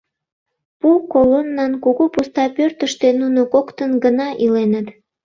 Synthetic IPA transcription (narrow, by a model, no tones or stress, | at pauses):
pukolonːɑnkuɣupust̪ɑpørt̪əʃt̪enunokokt̪ənɡənɑʔilenət̪